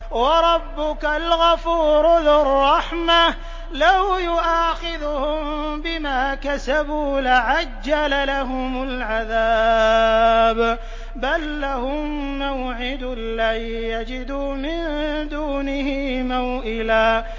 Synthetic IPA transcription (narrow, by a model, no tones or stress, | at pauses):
wɑɾˤɑbːʊkalɣafuːɾʊlɪrˤːɑħma | lawjʊʔaːxɪðʊhʊmbɪmaːkasabuːlaʕad͡ʒːalalaɦʊmʊlʕaðaː | b | balːahʊmː | awʕɪd̪ | lːa | jad͡ʒɪd̪uːmɪnd̪uːnɪhɪmawʔɪlaː